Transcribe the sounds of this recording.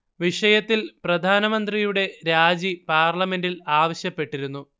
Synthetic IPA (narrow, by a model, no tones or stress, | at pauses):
ʋiʂɐjɐt̪ːilprɐd̪ʱaːnɐmɐnd̪rijuɽe̞ɾaːd͡ʑipaːrlɐme̞ndilaːʋɐɕjɐpːe̞ʈːiɾunːu